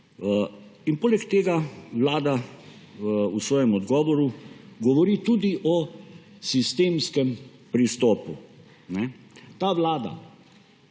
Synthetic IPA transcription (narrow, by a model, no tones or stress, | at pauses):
inpoːlɛkt̪eːɡaʋlaːd̪a | usʋɔːjɛmɔd̪ɡɔːʋɔɾuɡɔʋɔɾiːt̪uːd̪iʔɔ | sist̪eːmskɛm | pɾist̪oːpu | nɛ | t̪aːʋlaːd̪a̰